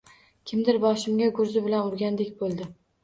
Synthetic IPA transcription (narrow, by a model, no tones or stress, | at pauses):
kʲʰɪmd̪ɪɾbɒʃɪmɡʲaɡʊɾzɪbɪlanʊɾɡʲand̪ekʲbolˠd̪ɪ